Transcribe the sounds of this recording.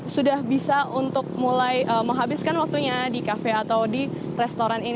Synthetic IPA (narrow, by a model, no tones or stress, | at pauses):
sudahbisaʔunt̪ʊk̚mulajʔəməŋɦabɪskanwak̚t̪uɲadikafɛat̪awdi | rɛst̪oɾanin